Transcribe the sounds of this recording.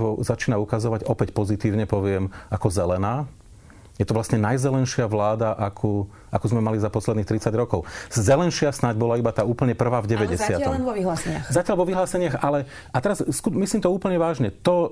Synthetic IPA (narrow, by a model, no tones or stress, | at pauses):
ʋɔzat͡ʃiːnaukazɔʋaɟɔpɛcpɔzit̪iːʊɲɛpɔʋɪɛmakɔzɛlɛnaː | jɛt̪ɔʋlastɲɛnajzɛlɛnʃɪaʋlaːd̪aʔakʰu | a̰kuzmɛmalizapɔslɛd̪nixt̪ɾit͡saɟɾɔkɔʊzɛlɛnʃɪasnaɟbɔlaibat̪aːuːpl̩ɲɛpr̩ʋaːvɟɛʋɛɟɛsɪat̪ɔmʋiɦlaːsɛɲɪaxzacɪalʋɔʋiɦlaːsɛɲɪaɣalɛ | at̪ɛɾazskumisliːmt̪ɔuːpl̩ɲɛʋaːʒɲɛt̪ɔ